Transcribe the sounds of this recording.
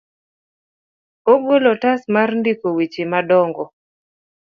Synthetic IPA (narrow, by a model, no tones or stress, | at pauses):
oɡolɔtasmarndikowit͡ʃimadɔŋɡɔ